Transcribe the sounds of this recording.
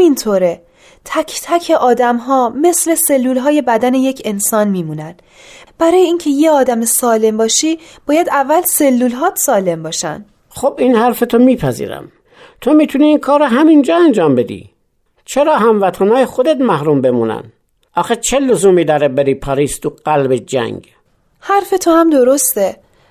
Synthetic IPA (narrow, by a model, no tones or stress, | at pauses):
mint̪ʰoːɾe | t̪ʰæcʰt̪ʰæcʰe̞ʔɒːd̪æmɦɒːme̞sle̞se̞lːuːlɦɒːje̞bæd̪æne̞je̞cʰe̞nsɒːnmiːmuːnænd̪̥ | b̥æɾɒːjeiːncʰe̞jeɒːd̪æmesɒːle̞mbɒːʃiːb̥ɒːjæd̪ævːælse̞lːuːlɦɒːt̪sɒːle̞mbɒːʃæ̰nd̪̥ | xobiːnhæɾfet̪ʰomiːpʰæzḭːɾæ̰m | t̪ʰomiːt̪ʰuniːnkʰɒːɾoɦæmind͡ʒɒːænd͡ʒɒːmbed̪ḭː | t͡ʃʰeɾɒːɦæmvæt̪ʰænɒːjexod̪et̪mæhɾuːmbemuːnæ̰n | ʔɒːxet͡ʃʰelozuːmiːd̪ɒːɾebeɾiːpʰɒɾiːst̪uɢ̥ælbed͡ʒæ̰ŋɡ | hæɾfe̞t̪ʰohæmd̪o̞ɾost̪e